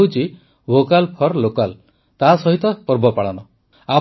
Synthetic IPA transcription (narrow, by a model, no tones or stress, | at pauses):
ut͡ʃi | bʱokalpʰɔɾlokal | t̪asɔɦit̪ɔpɔɾbɔpaɽanɔ | a